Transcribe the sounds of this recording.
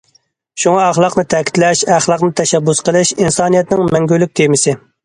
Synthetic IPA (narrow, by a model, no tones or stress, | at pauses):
ʃuŋɑɑχlˠɑqnɨt̪ʰɛkʲʰi̥t̪lɛʃæχlˠɑqnɨt̪ʰɛʃɛbːusqəlˠɪʃinsɑːnijɛt̪nɪŋmɛŋɡʲylyk̚ʲt̪ʰemɪsɪ